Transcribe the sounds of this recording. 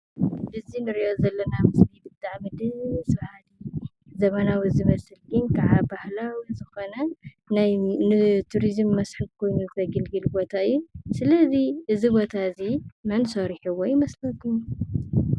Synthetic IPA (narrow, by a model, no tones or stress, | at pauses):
bɨzinɨɾiʔozɐlːɐnamɨslibɨt̪ʼːaʕmɨd̪ɨɨswahali | zɐmɐnawizɨmɐsɨlɡɨnkʰaʕabahlawizɨxo̞nɐ | najnɨt̪ʰuɾizɨmːɐsħɨβkʰo̞jnuzɨt̪ʰɐɡɨlɡɨlbo̞t̪ʰaɨjːusɨlɐziʔɨzibo̞t̪ʰazimɐnsoɾħuwɔjɪmɐslɐt̪ʰuu